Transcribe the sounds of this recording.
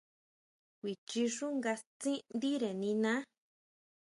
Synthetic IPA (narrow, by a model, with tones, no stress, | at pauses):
kʷi˨t͡ʃi˧ʂu˦ŋɡa˧st͡sĩ˦nd̪i˦ɾe˨nĩ˧nã˦